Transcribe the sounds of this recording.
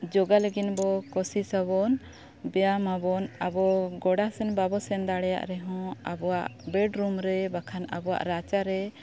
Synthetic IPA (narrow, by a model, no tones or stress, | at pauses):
d͡ʒɔɡaləɡinbɔkɔsisaβɔn | bɛjamabɔnabɔɡɔɽasɛnbabɔsɛnd̪aɽɛja̰ʔɾɛɦɔ̃abɔwaʔbɛɖɾumɾɛbakʰana̰bɔwa̰ʔɾat͡ʃaɾɛ